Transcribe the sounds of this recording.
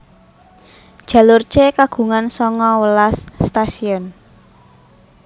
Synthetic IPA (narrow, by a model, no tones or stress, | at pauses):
d̥ʒ̥ä̤lʊrt͡ʃekaɡ̥ṳŋansɔŋɔwəlast̪asiɔn